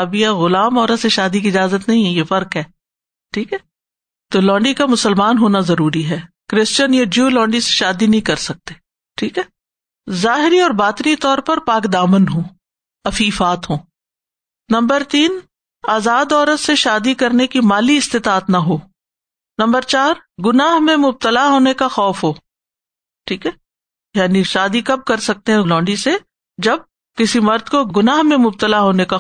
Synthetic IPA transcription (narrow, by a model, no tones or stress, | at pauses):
aːbijaɣʊlaːmɔːɾət̪seʃaːd̪ikiɪd͡ʒaːzət̪nɐɦĩɦɛjefɐɾkɦɛː | ʈʰiːkɦɛː | t̪oːlɔ̃ːɳɖikamʊsəlmaːnɦoːnazɐɾuːɾiɦɛː | kɾɪst͡ʃənjad͡ʒjuːlɔ̃ːɳɖise̥ʃaːd̪inɐɦĩkɐɾsɐk̚t̪e̥ː | ʈʰiːkɦɛː | zaːɦɪɾiɔːɾbaːt̪ɪnit̪ɔːɾpɐɾpaːkd̪aːmənɦõː | ɐfiːfaːt̪ɦõː | nɐ̃mbəɾt̪iːn | aːzaːd̪ɔːɾət̪seʃaːd̪ikɐɾnekimaːliɪst̪ɪt̪aːt̪nɐɦoː | nɐ̃mbəɾt͡ʃaːɾɡʊnaːɦmẽmʊb̚t̪əlaɦoːnekaxɔːfɦoː | ʈʰiːkɦɛː | jaːniʃaːd̪ikɐb̚kɐɾsɐk̚t̪ẽɦɛlɔ̃ːɳɖise | d͡ʒɐb̚ | kɪsimɐɾd̪koɡʊnaːɦmẽmʊb̚t̪əlaɦoːneka